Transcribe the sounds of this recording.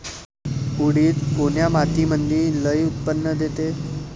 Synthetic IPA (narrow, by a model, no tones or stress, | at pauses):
uɽiːt̪koɳjamat̪imənd̪iːləjut̪̚pənːəd̪ʱet̪e